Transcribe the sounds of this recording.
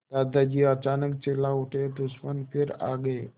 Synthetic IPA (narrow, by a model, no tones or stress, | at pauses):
d̪̥ad̪ad͡ʑiːət͡ʃanək̚t͡ʃelaoʈʰed̪usmənpʰeɾa̰ɡəe